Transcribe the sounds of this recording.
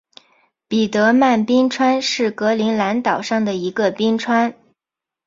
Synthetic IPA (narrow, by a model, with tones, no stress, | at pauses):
pi˨˩t̪ɤ˧˥ma˥˩npi˥ŋʈ͡ʂʰwa˥nʂɻ̩˥˩kɤ˧˥li˧˥ŋla˧˥nt̪ɑ˨˩ʊʂɑ˥˩ŋd̪ə˩i˧˥ɡə˧pi˥ŋʈ͡ʂʰwa˥n